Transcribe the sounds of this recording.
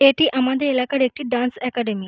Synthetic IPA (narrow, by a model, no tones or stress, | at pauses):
eʈiːʔamad̪ʱeelakaɽek̚ʈiːɖãnsɛkɛɖemi